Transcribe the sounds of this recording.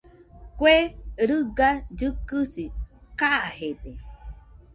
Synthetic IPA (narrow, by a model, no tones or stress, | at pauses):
kʷeɾɨɡad͡ʒɨkɨsikahede